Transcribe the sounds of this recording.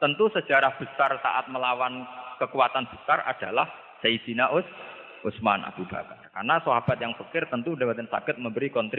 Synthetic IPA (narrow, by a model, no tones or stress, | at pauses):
t̪ənt̪usə̥d͡ʒ̥a̤ɾahb̥ə̤sarsa̰ʔat̪̚məlawankəkuwat̪anb̥ə̤̥sarʔa̰d̥a̤lah | said̥inaʔʊs | ʔʊsmanʔa̰b̥ub̥a̰ka̰rkarnasoɦab̥at̪̚jaŋfəkɪrt̪ənt̪undabat̪ɛnsa̰kɪt̪̚məmbəɾikɔnt̪ɾ